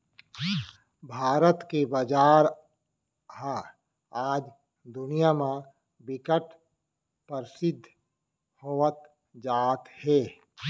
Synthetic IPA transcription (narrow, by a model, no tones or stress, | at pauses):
bʱaːɾət̪kebad͡ʒaːɾ | ɦa | aːd͡ʒ | d̪ʊnijamã | bɪkəʈʰ | pəɾsɪd̪ʱ | hoːət̪ | d͡ʒaːt̪hɛː